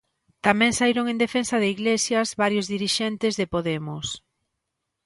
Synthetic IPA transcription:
t̪amɛ̃ŋsaiɾoŋẽnd̪efensɐðeiɣlesjɐzβaɾjʊzðiɾiʃɛnt̪ɪzðɪpoðemʊs

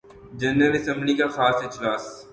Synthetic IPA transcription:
d͡ʒɐnɾəlɐsɛ̃mblikaxaːsɪd͡ʒlaːs

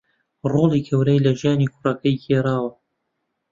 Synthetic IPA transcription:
roːlˠiːkʰɐwɾɐjlɐʒijaːnikʰʊrɐkʰɐjkʰeːɾaːwɐ

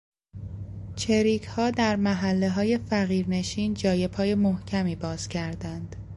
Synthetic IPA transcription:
t͡ʃʰe̞ɾiːcʰhɒːd̪æɾmæɦælːe̞ɦɒːje̞fæɣiːɾne̞ʃiːnd͡ʒɒːje̞pʰɒːje̞mohcʰæmiːbɒːz̥cʰæɾd̪ænd̪̥

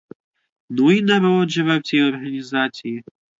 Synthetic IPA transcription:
nuinaɾɔd͡ʒɛvawt͡sʲijɔrɣɐnʲizat͡sʲiji

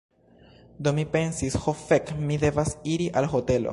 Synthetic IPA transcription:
d̪omːipe̞nsisxofekmide̞vasiɾiʔalɦo̞te̞lo̰

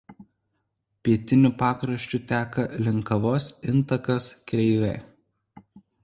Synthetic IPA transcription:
pʲiɛt̪ʲɪnʲʊpɑːkɾɐʃʲt͡ʃʲʊt̪ʲæːkɐlʲɪŋˑkɐʋoːsɪnˑt̪ɐkɐskɾʲɛɪʋʲɛ̰ː

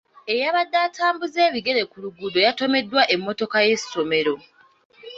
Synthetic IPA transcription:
ejaβadːaːtʰaːmbuze̞ːβiɡe̞le̞kuluɡudo̞jato̞me̞dːwaʔe̞mːo̞to̞kaje̞so̞me̞ɾo̞

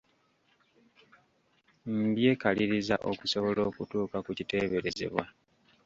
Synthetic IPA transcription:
m̩bje̞kaliɾizaʔokuso̞βo̞lo̞ːkutuːkakucite̞ːβe̞ɾe̞ze̞̰βwa

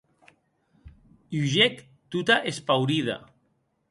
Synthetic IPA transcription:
uʒek | t̪ut̪aʔespawɾiða̰

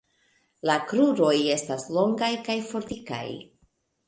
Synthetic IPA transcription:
lakɾuɾo̞je̞staslo̞ŋɡajkajfo̞ɾtika̰j

